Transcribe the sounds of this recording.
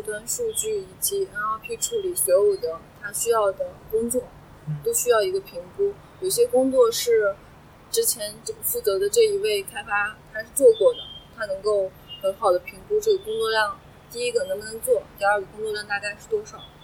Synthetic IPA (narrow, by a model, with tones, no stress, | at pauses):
i˥˧˩t̪wa˥nʂu˥˧t͡ɕy˥˩i˨˩t͡ɕi˧˥ɻa˧˥xo˥˧ʊpʰi˥˩ʈ͡ʂʰu˥˩li˨˩ɕɥɛ˧˥u˨˩d̪ə˧˦t̪ʰa˥ɕy˥jɑ˥˩ʊd̪ə˩kʊ˥ŋt͡swɔ˥˩ | t̪o˥ʊɕy˥jɑ˥˩ʊi˧˥ɡə˧pʰi˧˥ŋku˥ | jo˨˩ʊi˩ɕjɛ˥kʊ˥ŋt͡swɔ˥˧ʂɻ̩˥˩ | ʈ͡ʂɻ̩˥t͡ɕʰjɛ˧˥nt͡ɕo˥˩fu˥˩t͡sɤ˧˥d̪ə˧ʈ͡ʂɤ˥˩i˧˥we˥˩ɪkʰa˥ɪfa˥t̪ʰa˥ʂɻ̩˥˧t͡swɔ˥˧kwɔ˥˩d̪ə˩t̪ʰa˥nɤ˧˥ŋko˥˩ʊ | xə˧˥nxɑ˨˩ʊd̪ə˦pʰi˧˥ŋku˥ʈ͡ʂɤ˥˩ɡə˨˩kʊ˥ŋt͡swɔ˥˧ljɑ˥˧ŋ | t̪i˥˩i˥ɡə˨˩nɤ˧˥ŋnɤ˧˥ŋt͡swɔ˥˩t̪i˥˧a˞˥˩y˨˩kʊ˥ŋt͡swɔ˥˧ljɑ˥˧ŋt̪a˥˧ka˥˧ɪʂɻ̩˥˩t̪wɔ˥ʂɑ˨˩˦ʊ